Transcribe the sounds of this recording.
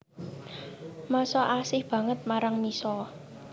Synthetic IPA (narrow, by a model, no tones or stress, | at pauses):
masɔʔasɪhb̥ä̤ŋət̪̚maɾaŋmisɔ